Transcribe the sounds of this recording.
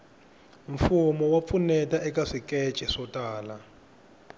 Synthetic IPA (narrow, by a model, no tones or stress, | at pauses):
ɱfumɔwap̪funɛtaʔɛkaʂikɛt͡ʃʼɛʂɔtʼaːla